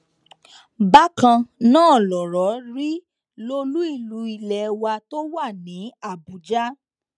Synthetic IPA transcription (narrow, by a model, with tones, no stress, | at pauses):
ba˦kã˧nãː˦˨lɔ˨ɾɔ˨˦ɾi˦ | lo˧lu˦i˦˨lu˨˦i˨lɛ˨˦wa˧to˦wa˦˨nĩ˨˦a˦˨bu˨˦d͡ʒa˦